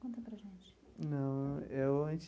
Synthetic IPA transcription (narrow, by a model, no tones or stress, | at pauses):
kõnt̪ɐpɾɐʒẽnt͡ʃɪ̥ | nɐ̃w̃ewɐ̃t͡ʃ